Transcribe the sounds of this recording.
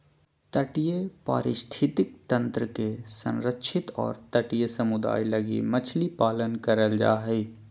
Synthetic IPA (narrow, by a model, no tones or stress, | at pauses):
t̪əʈijepa̰ːɾɪʃt̪ʰɪt̪ɪk̚t̪ɐ̃nt̪ɾəkesɐ̰̃nɾəkʃɪt̪ɔ̰ːɾt̪əʈijesɐmʊd̪a̰ːilɐɡḭmɐt͡ʃʰlipaːlənkɐɾəld͡ʒa̰ːɦɛ